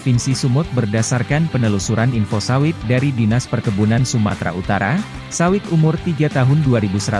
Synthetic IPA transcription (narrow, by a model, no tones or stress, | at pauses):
finsisumʊt̪̚bərdasarkanpənəlusuɾaninfosawɪt̪̚daɾidinaspərkəbunansuma̰t̪ɾa̰ʔut̪aɾa̰ | sawɪt̪umʊrt̪iɡat̪aɦʊnduaɾibusəɾa